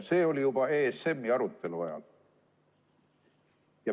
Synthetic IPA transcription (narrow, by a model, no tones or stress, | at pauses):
se̞ːo̞lijubɑe̞ːse̞mːiɑɾut̪ːe̞luɑjɑ̰l | jɑ